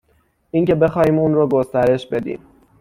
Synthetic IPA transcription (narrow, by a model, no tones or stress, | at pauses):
ʔiːŋce̞be̞xɒːhiːmuːnɾoːɡost̪æɾe̞ʃbe̞d̪ḭːm